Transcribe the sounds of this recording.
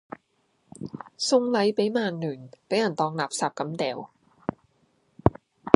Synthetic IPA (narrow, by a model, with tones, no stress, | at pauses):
sʊ˧ŋlɐ˨˥jpe˨˥jmaː˧˩ŋnyː˨˩npe˨˥jɐ˨˩nt̪ɔː˧ŋlaː˨˩p̚saː˨p̚kɐ˨˥mt̪ɛː˨˩w